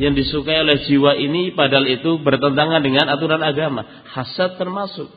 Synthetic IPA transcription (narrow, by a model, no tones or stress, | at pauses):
jaŋdisukaiolɛhd͡ʒiwaʔinipadaɦalit̪ubərt̪ənt̪aŋandəŋanat̪uɾanaɡama | hasat̪ːərmasʊk̚